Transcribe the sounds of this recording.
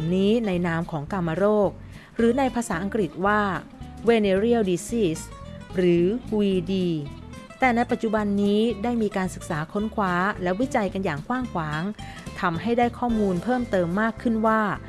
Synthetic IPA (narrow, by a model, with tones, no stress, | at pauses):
mniː˦˥na˧jnaː˦˥mkʰɔː˩˦ŋka˧mːa˧ɾoː˥˩k̚ | ɾɯː˩˦na˧jpʰaː˧saː˩˦ʔa˧ŋkɾi˨˩t̪̚waː˥˩weː˧neː˧ɾi˥˩˨wdiː˧siː˥˩sɾɯː˩˦wiː˧diː˧t̪ɛː˨˩na˧jpa˨˩t̪̚t͡ɕu˨˩ba˧nːiː˦˥daː˥˩jmiː˧kaː˧nsɯ˨˩k̚saː˩˦kʰo˦˥nkʰwaː˦˥lɛ˦˥wi˦˥t͡ɕa˧jka˧njaː˨˩ŋkʰwaː˥˩ŋkʰwaː˩˦ŋt̪ʰa˧mɦa˥˩jdaː˥˩jkʰɔː˥˩muː˧npʰɤː˥˩mt̪ɤː˧mːaː˥˩kʰːɯ˥˩nwaː˥˩